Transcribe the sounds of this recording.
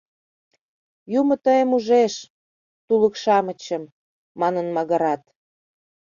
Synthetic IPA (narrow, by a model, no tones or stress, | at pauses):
jumə̆t̪əjəmuʒeʃ | t̪uləkʃɑmə̆t͡ɕə̆mː | ɑnənmɑɣɑɾɑt̪